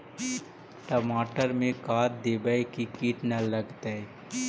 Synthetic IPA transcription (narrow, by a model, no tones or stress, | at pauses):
ʈəmaːʈəɾmẽkaːt̪d̪eːbaikikiːʈnalɐɡt̪aɛ